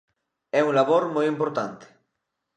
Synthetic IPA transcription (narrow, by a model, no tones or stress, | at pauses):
ɛuŋlaβoɾmojimpoɾt̪ant̪e̥